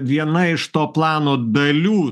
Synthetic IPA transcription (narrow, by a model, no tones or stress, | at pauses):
ʋʲiɛnɐɪʃt̪oːplˠɑːnoːd̪ɐlʲuː